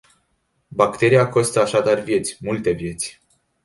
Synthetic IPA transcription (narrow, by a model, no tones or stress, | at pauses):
bakt̪e̞ɾijako̞st̪əaʃad̪arvje̞t̪sʲmult̪e̞vje̞t̪sʲ